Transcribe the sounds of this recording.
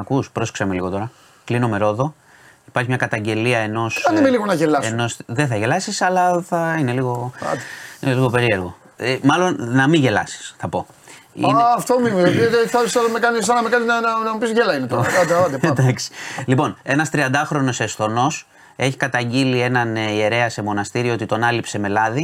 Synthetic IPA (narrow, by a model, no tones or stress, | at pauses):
ɐkuspɾo̞sksɐmeliɣo̞t̪o̞ɾɐ | klinome̞ɾo̞ðo̞ | ipɐɾçimɲɐkɐt̪ɐɲɟe̞liɐe̞no̞sɐnimeliɣonɐʝelɐseno̞sðe̞θɐʝe̞lɐsisɐlɐθɐine̞liɣo̞ɐ̰t̪eineliɣope̞ɾie̞ɾɣo̞ | emɐlo̞nnɐmiʝe̞lɐ̰si̥sθɐpo̞ḭɐft̪omimizɐpieθɐɐmekɐnissɐnɐmekɐniznɐnɐnɐmipisʝelɐinet̪oɐt̪eɐd̪ed̪ɐksi̥lipo̞ne̞nɐst̪ɾiɐnd̪ɐxɾo̞no̞sesθo̞no̞s | e̞çi̥kɐt̪ɐɲɟilie̞nɐnie̞ɾe̞ɐse̞mo̞nɐst̪iɾioot̪it̪o̞nɐlipse̞me̞lɐði